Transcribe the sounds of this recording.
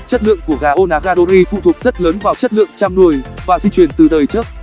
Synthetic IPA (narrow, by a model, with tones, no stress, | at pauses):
t͡ɕə˦˥t̚lɨ̰˧˨əŋku˧˩əɣaː˨˩ʔo˧naː˨˦˥ɣaː˧ɗo˧ɾi˧fṵ˧˨t̪ʰu˨˩ək̚z̥ə˦˥t̚ləː˨˦nvaː˨˩wt͡ɕə˦˥t̚lɨ̰˧˨əŋt͡ɕa˧mnu˨˧˩əjvaː˨˩zi˧t͡ɕwi˧˩ənt̪ɨ˨˩t̪əː˨˩jt͡ɕɨ˦˥ək̚